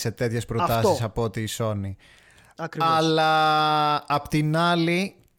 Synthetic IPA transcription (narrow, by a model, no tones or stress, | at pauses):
se̞t̪e̞t̪çe̞spɾot̪ɐsis̬ɐpoot̪iːso̞ni | ɐkɾɐlɐː | pot̪inɐli